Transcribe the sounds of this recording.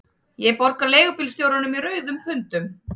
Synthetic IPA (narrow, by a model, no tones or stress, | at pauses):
jɛpɔɾkaleːɣʏpɪlst̪jowɾanʏmiɾœːɥðʏmhʏnt̪ʏm